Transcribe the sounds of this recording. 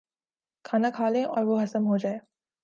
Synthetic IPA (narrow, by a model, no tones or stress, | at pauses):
kʰaːnakʰaːlẽʔɔ̰ːɾʋoɦɐsəmɦod͡ʒaːeː